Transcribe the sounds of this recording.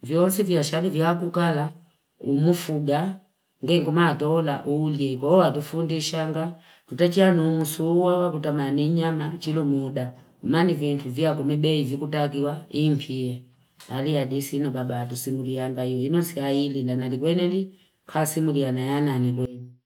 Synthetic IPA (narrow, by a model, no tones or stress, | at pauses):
vjɔnsivjaʃalivjakukala | umufuɡa | ŋɡɛŋɡumaːtɔlaʔuliɛkwɔɔatufundiʃaŋɡa | tutat͡ʃianumusuwawakutamaniɲamat͡ʃilumuda | manivintuvjakɔmɛbɛivikutak̬iwaimpʰiɛ | aliadisinɔbabaːtusimuliaŋɡaiɔinɔsiailinanalikwɛnɛli | kʰasimulianajananikwɛnɛ